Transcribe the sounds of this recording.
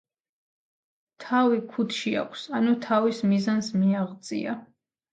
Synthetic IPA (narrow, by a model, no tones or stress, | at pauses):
t̪ʰavikʰut̪ʰʃia̰kʷʰsanut̪ʰavismizansmiaʁdt̪sʼḭa̰